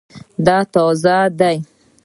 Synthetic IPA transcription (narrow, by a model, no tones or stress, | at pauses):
d̪ɑt̪ɔzad̪aj